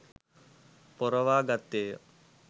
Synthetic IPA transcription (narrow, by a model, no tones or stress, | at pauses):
pɔɾɐʋaːɡat̪ːeː